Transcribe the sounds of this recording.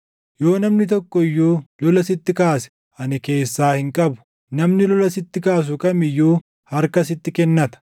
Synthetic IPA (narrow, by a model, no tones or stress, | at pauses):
jo̞ːnɐmnɪt̪̬ɔkːɔɪjːuːlɔlɐsɪt̪ːɪkaːsɛ̥ | ʔɐnɪke̞ːsːaːhɪŋkʼɐbʊ̥ | nɐmnɪlɔlɐsɪt̪ːɪkaːs̬ʊkʼɐmɪjːuː | hɐɾkɐsɪt̪ːɪkɛnːɐt̪ɐ̥